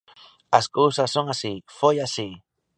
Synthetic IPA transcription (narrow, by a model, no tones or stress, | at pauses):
askowsasːoŋasifojasi